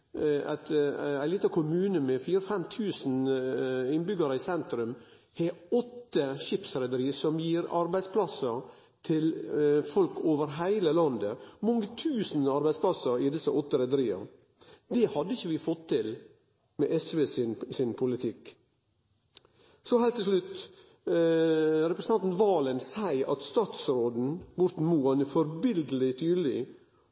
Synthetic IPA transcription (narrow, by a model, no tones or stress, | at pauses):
æ̰t̪æɪliːt̪ɑkʰʊmʉːnəmɛfiːɾəfɛmt̪ʰʉːsn̩ | ɪnbʏɡɑɾəɪsɛnt̪ɾʉm | heːɔt̪ːəʃɪpsɾɛd̪əɾiːsɔmjiːɾɑɾbæɪspʰlɑsə | t̪ʰɪlfɔlkʰoːʋəɾɦæɪləlɑnd̪əmɔŋːət̪ʰʉːsn̩ɑɾbæɪspʰlɑsəɾɪd̪ɪsəʔɔt̪ːəɾɛd̪əɾiːɑ̰ | d̪ɛhɑd̪ːəɪçːəʋɪfɔt̪ʰːɪl | mɛʔɛsʋeːsnsɪnpʰʊlɪt̪ʰɪk | sɔhæɪlt̪ʰːɪsʂlʉt̪ː | ɾɛpɾəsəɑnt̪n̩ʋɑːlənsæɪɑt̪st̪ɑːt̪sɾoːd̪n̩ʋʊɾt̪n̩muːɑnfɔɾbɪld̪əlɪt̪ʰyːd̪l̩ɪ